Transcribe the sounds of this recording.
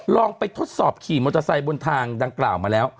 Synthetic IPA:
lɔː˧ŋpa˧jt̪ʰo˦˥t̪̚sɔː˨˩p̚kʰiː˨˩moː˧t̪a˧sa˧jbo˧nt̪ʰaː˧ŋda˧ŋklaː˨˩wmaː˧lɛː˦˥w

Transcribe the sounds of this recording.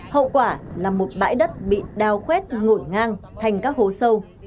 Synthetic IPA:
hə̰˧˨wkwaː˧˩laː˨˩mo˨˩t̚ɓa̰ː˧˥jɗə˦˥t̚ɓḭ˧˨ɗaː˨˩wxwɛ˦˥t̚ŋo˧˩jŋaː˧ŋt̪ʰa˨˩jŋ̟kaː˦˥k̚ho˨˦sə˧w

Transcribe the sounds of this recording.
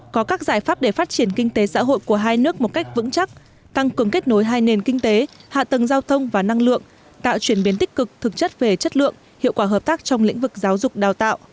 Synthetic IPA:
kɔ˨˦kaː˦˥k̚zaː˧˩jfaː˦˥p̚ɗe˧˩faː˦˥t̚t͡ɕi˧˩ənkï˧ŋ̟t̪e˨˦sa̰ː˧˥ɦo̰˧˨jku˧˩əɦaː˧jnɨ˦˥ək̚mo˨˩t̚ka˦˥jk̟̚vɨ̰˧˥ŋt͡ɕa˦˥k̚ | t̪a˧ŋkɨ˨˩əŋke˦˥t̚no˨˦jɦaː˧jne˧˩nkï˧ŋ̟t̪e˨˦ha̰ː˧˨t̪ə˨˩ŋzaː˧wt̪ʰə˧wŋ͡mvaː˨˩na˧ŋlɨ̰˧˨əŋ | t̪a̰ː˧˨wt͡ɕwi˧˩ənɓi˨˦nt̪ï˥k̟̚kɨ˨˩k̚t̪ʰɨ˨˩k̚t͡ɕə˦˥t̚ve˨˩t͡ɕə˦˥t̚lɨ̰˧˨əŋ | hḭ˧˨wkwaː˧˩ɦəː˨˩p̚t̪aː˦˥k̚t͡ɕɔ˧wŋ͡mlḭ˧˥ŋ̟vɨ˨˩k̚zaː˨˦wzʊ˨˩k͡p̚ɗaː˨˩wt̪a̰ː˧˨wʔ

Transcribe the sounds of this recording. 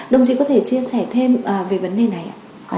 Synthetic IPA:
ɗə˨˧˩wŋ͡mt͡ɕi˧˩kɔ˨˦t̪ʰe˧˩t͡ɕi˧əsɛ˧˩t̪ʰe˧mʔəː˨˩ve˨˩və˨˦nɗe˨˩na˨˩jʔa̰ː˧˨

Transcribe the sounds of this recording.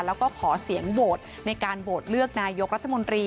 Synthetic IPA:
lɛː˦˥wkɔː˥˩kʰɔː˩˦si˩˦əŋboː˨˩t̪̚ | na˧jkaː˧nboː˨˩t̪̚lɯ˥˩ək̚naː˧jo˦˥k̚ɾa˦t̪ʰːa˧mo˧nt̪ɾiː˧

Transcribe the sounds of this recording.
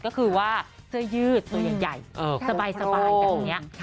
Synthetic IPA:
kɔː˥˩kʰɯː˧waː˥˩ | kʰɯ˥˩əjɯː˥˩t̪̚ːjaː˨˩ja˨˩jːsa˧baː˧jsa˧baː˧jŋːni˦˥ɐ

